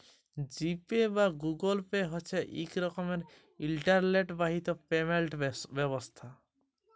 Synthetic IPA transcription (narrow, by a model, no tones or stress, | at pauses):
d͡ʒipebaɡuɡolpeɦɔt͡ʃʰeʔḭkɾɔkɔmeɾ | ilʈaɾleʈbaɦit̪ɔpemelʈbɛβɔst̪ʰa